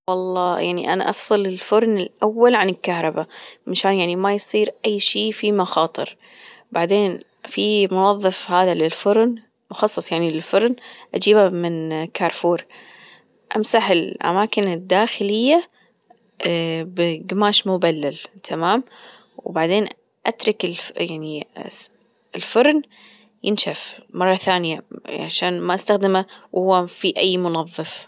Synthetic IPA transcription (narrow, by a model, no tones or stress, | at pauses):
wɑlˤːɑːjaʕnḭʔana̰ʔɑfsˤɨlɪlfʊɾˤnɪlʔawːalʕanɪlkahɾˤɑbamaʃaːnjaʕnimajsˤiːɾʔajːʃiːfimaxɑːt̪ˤɨ̰ɾ | baʕd̪eːn | fimʊwɑðˤːɑfhaːðalɪlfʊɾn | mʊxɑsˤːɑsˤjaʕnilɪlfʊɾˤnʔad͡ʒiːbamɪnkʰɑːɾˤfuːɾ | ʔamsaħɪlʔa̰maːkɪnɪd̪ːaːxɪlɪjːa | bɡmaːʃmʊbalːalt̪ʰamaːm | wbaʕd̪eːn | ʔat̪ɾˤɑkɪljaʕni | ɪlfʊɾˤn | jɪnʃafmɑrˤːɑθaːnɪjaʕa̰ʃaːnmaʔast̪axd̪ɪmawhʊwːafiʔajːmʊnɑðˤːɨf